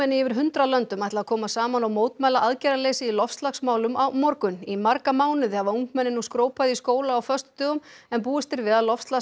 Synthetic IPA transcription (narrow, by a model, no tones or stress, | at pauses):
ɛnːɪɪvɪɾ̥ɦʏnt̪ɾalœnt̪ʏmajt̪laːkʰɔːmasaːmanawmoːwt̪maːjlaʔaðcajɾaleːsɪilɔfst̪laxsmaːwlʏmawmɔɾkʏnimaɾkamaːwnɪðɪhavauŋkmɛnːɪnːuskɾoːwpajðiskoːwlaːwfœst̪ʏ̥t̪ʏːɣʏmɛnp̬uːɪst̪ɪɾvɪðaðlɔfst̪la